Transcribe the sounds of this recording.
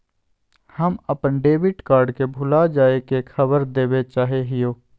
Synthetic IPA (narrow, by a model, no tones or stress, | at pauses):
həməpənɖeːbɪʈkaːɾɖkebʱʊlad͡ʒaːekekʰəbəɾd̪eːbet͡ʃaːɦeɦɪjoː